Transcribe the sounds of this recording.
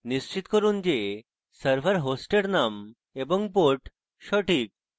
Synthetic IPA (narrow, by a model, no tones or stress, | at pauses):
nist͡ɕit̪kɔɾund͡ʑe | səɾpʰaɾɦosʈeɽnam | ebɔŋpoɾʈ | ʃɔʈʰik̚